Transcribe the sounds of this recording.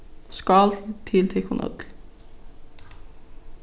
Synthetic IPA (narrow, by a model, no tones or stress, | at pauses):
skɑlt̪ʰɪlt̪ʰɛkhunʔœ̰d̪l